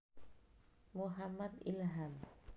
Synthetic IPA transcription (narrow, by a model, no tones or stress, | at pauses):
muɦamad̪ilɦam